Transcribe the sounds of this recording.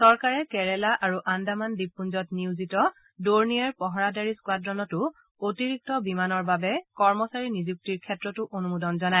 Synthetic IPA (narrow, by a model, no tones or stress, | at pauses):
sɔɹkaɹɛkɛɹɛlaʔaɹuʔandamandipːunzɔtniuzitɔ | doɹnijaɹpɔɦɔɹadaɹiskwadɹɔnɔtʊ | otiɹik̚tɔbimanɔɹbabɛkɔɹmɔsaɹinizuk̚tiɹkʰɛtɹɔtʊʔonumudɔnzɔnaj